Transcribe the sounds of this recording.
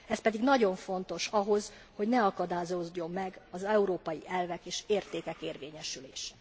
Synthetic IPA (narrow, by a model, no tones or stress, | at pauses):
ɛspɛd̪iɡnɒɟo̞ɱfo̞n̪t̪o̞ʃɒɦo̞z | ho̞ɟnɛɒkɒd̪aːzozːo̞mːɛɡɒzɛuɾoːpɒjiʔɛlvɛkeːʃeːrt̪eːkɛkeːrveːɲɛʃyleːʃɛ̥